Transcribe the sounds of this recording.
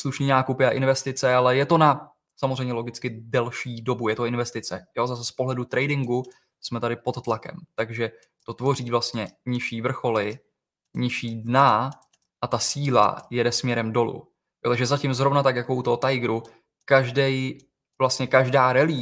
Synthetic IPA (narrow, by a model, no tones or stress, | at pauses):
sluʃniːnaːkupɪaʔɪnvɛst̪ɪt͡sɛalɛjɛt̪o̞na | samozrɛjmɲɛlo̞ɡɪt͡skɪdɛlʃiːdo̞bujɛt̪o̞ɪnvɛst̪ɪt͡sɛjo̞zasɛspoɦlɛdut̪ɾɛjdɪŋɡu | smɛt̪adɪpo̞t̪t̪ːlakɛ̰mt̪aɡʒɛ | t̪o̞t̪vo̞riːvlast̪ɲɛɲɪʃiːvr̩xo̞lɪ | ɲɪʃiːdna | ʔat̪asiːla̰jɛdɛsmɲɛɾɛmdo̞lṵ | jot̪aɡʒɛzacɪmzɾo̞vnat̪akjako̞ut̪oɦot̪ajɡɾu | kaʒdɛj | vlast̪ɲɛkaʒdaːɾɛliː